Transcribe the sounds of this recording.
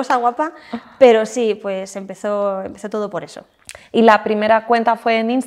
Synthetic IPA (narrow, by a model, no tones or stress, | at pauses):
osaɣwapape̞ɾo̞sipwe̞se̞mpe̞θo̞e̞mpe̞θo̞t̪oð̞o̞po̞ɾe̞so̞ | ilapɾime̞ɾakwe̞nt̪afwe̞ːnĩns